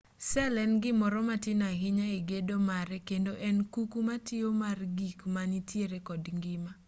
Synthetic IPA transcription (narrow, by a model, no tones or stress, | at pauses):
sɛlɛnɡɪmɔɾɔmatɪnaɦɪɲaiɡedomaɾɛkendoʔɛnkukumatɪomarɡikmanitjeɾekɔdŋɡɪma